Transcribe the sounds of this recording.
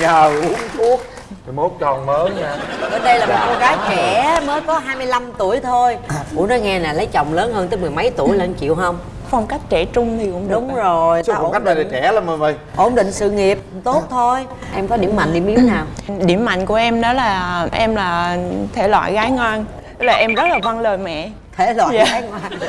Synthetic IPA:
zaː˨˩u˨˦əŋku˦˥ək̪̚ʰ | i˨˩mo˦˥t̚t͡ɕɔ˨˩nməː˨˦ɲaː˧ɗəː˨˦nɗə˧jlaː˨˩mo˨˩kɔ˨˧˦ɣaː˨˦jt͡ɕɛ˧˩məː˨˦jkɔ˨˦ɦaː˧jmɨ˧jla˧mt̪u˧˩əjt̪ʰo˧jkṵ˧˩˥nɔ˨˦jŋɛ˧naː˨˩lə˨˦jt͡ɕə̰˧˨wŋ͡mləː˨˦nhəː˧nt̪ə˦˥m˨˩əjmə˨˦jt̪u˧˩əjlə˧nt͡ɕḭ˧˨əwɦə˧wŋ͡m | fa˧wŋ͡mka˦˥jk̟̚t͡ɕɛ˧˩t͡ɕʊ˧ŋ͡mt̪ʰi˨˩kʊ̰˧˥ŋ͡mɗʊ˨˦ŋ͡mzo˨˩jfɔ˧˨ka˦˥k̚ɗə˧˩lə˨˩t͡ɕɛ˧˩ləː˨˦nmə˨˩və˧˩jʔo˧˩nɗḭ̈˧˨ŋ̟sɨ̰˧˨ŋi˨˩əp̚t̪o˦˥t̚t̪ʰo˧j | ʔɛ˧mkɔ˨˦ɗḭ˧˩əmːa̰˧˨ŋ̟ɗi˧˩mʔi˨˦əwnaː˨˩wɗḭ˧˩əmːa̰˧˨jŋ̟ku˧˩əʔɛ˧mnɔ˨˦laː˨˩ʔɛ˧mlaː˨˩t̪ʰe˧˩lwa̰ː˧˨jɣaː˨˦jŋwaː˧n | t̪laː˨˩ʔɛ˧mzə˦˥t̚laː˨˩va˧nləː˨˩jmɛ̰˧˨ | t̪ʰe˧˩lwa̰˧˨zaː˧˨aː˨˦jŋwaː˧n

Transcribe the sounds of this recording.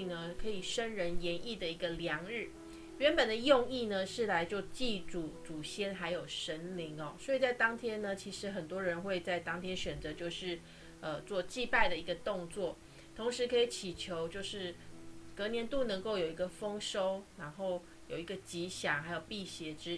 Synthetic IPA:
i˨˩nə˨kʰɤ˧˥i˨˩ʂə˥nɻə˧˥njɛ˧˥ni˥˩d̪ə˩i˧˥ɡə˧ljɑ˧˥ŋɻɻ̩˥˩ | ɥɛ˧˥npə˨˩nd̪ə˨jo˥˧ŋi˥˩nə˨ʂɻ̩˥˩la˧˥ɪt͡ɕjo˥˧ʊt͡ɕi˥˩t͡su˨˩t͡su˨˩ɕjɛ˥˩nxa˧˥ɪjo˨˩ʊʂə˦˥nli˧˥ŋɔ˨swɔ˧˥i˨˩t͡sa˥˩ɪt̪ɑ˥ŋt̪ʰjɛ˥nnə˨t͡ɕʰi˧˥ʂɻ̩˧˥xə˨˩nt̪wɔ˥ɻə˧˦˥nxwe˥˧ɪt͡sa˥˩ɪt̪ɑ˥ŋt̪ʰjɛ˥nɕɥɛ˨˩nt͡sɤ˧˦t͡ɕjo˥˧ʊʂɻ̩˥˩ | ə˨t͡swɔ˥˧t͡ɕi˥˧pa˥˩ɪd̪ə˩i˧˥ɡə˧t̪ʊ˥˧ŋt͡swɔ˥˩ | t̪ʰo˧˥ŋʂɻ̩˧˥kʰɤ˧˥i˨˩t͡ɕʰi˨˩t͡ɕʰjo˧˥ʊt͡ɕjo˥˧ʊʂɻ̩˥˩kɤ˧˥njɛ˧˥nt̪u˥˩nə˧˥ŋko˥˩ʊjo˨˩ʊi˧˥ɡə˧fɤ˥ŋʂo˥ʊna˧˥nxo˥˩ʊ | jo˨˩ʊi˧˥ɡə˧t͡ɕi˧˥ɕjɑ˨˩ŋxa˧˥ɪjo˨˩ʊpi˥˩ɕjɛ˧˥ʈ͡ʂɻ̩˥

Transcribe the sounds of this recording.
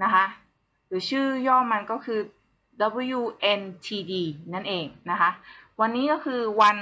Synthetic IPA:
na˦˥kʰa˦˥ʔ | sɯː˨˩sʰɯː˥˩jɔː˥˩˨mːa˧nkɔ˥˩kʰɯː˧ | da˧˦bu˧˦˧juː˧˩ʔe˧nt̪ʰiː˧diː˧na˥˩nʔeː˧˩ŋna˦kʰa˦˥ʔwa˧nːiː˦˥kɔː˥˩kʰɯː˧wa˧n

